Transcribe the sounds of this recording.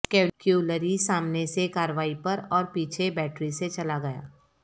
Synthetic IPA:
keːkjuːləɾisaːmnesekaːɾəʋaːipɐɾɔːɾpiːt͡ʃʰebɛːʈɾiset͡ʃɐlaɡɐja̰ː

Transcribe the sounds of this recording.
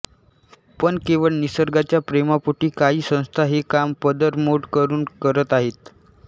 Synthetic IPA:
pəɳkeʋəɭnisəɾɡat͡ɕjapɾemapuʈiːkaɦiːsə̃w̃st̪ʰaɦekampəd̪əɾmoɽkəɾuːnkəɾət̪aɦet̪

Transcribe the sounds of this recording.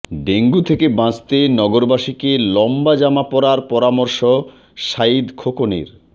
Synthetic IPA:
ɖeŋɡut̪ʰekebãt͡ɕt̪enɔɡoɾbaʃikelɔmbad͡ʑamapɔɾaɾpɔɾamoɾʃo | ʃaid̪kʰokonḭɾ

